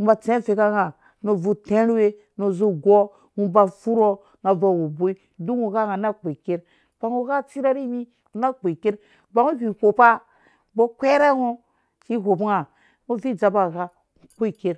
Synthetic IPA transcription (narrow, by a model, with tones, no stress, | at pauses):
ba˨t͡sẽ˦fe˨ka˦ŋa˨ | no˨vu˨te˦ɾwe˦ | no˨zu˦ɡo˦ | ŋu˦ba˨fu˦ɾo˦ | ŋa˨va˨wo˨bo˦i˦ | du˦ŋu˨ka˦ŋa˨na˦k͡pe˨ke˦ɾ | b̥a˨ŋo˦ka˦t͡si˦ɾa˦ɾi˦mi˦˨ | na˦k͡pe˨ke˦ɾ | ba˨˦ŋu˦vi˨ko˨pa˦ | bo˦kʷe˦ɾa˦ŋo˦ | t͡ʃi˦ɦo˨bŋa˨ | ŋo˦vi˦d͡ʒa˨ba˨ka˦˨ | k͡po˦i˨ke˦ɾ